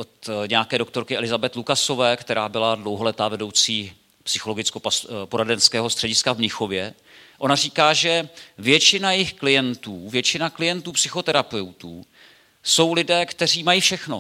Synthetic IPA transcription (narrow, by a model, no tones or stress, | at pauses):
ʔot̪ɲɛjakɛːdo̞kt̪oɾkɪʔɛlɪzabɛt̪lukaso̞vɛːkt̪ɛɾaːbɪladlowɦolɛt̪aːvɛdo̞wt͡siː | psɪxo̞lo̞ɡɪt͡skopaspoɾadɛnskɛːɦost̪r̥ɛɟɪskavmɲɪxo̞vjɛ | ʔo̞nariːkaːʒɛvjɛt͡ʃɪnajɪxklɪjɛnt̪uːvjɛt͡ʃɪnaklɪjɛnt̪uːpsɪxo̞t̪ɛɾapɛwt̪uː | so̞wlɪdɛːkt̪ɛr̝iːmajiːfʃɛxno̞̰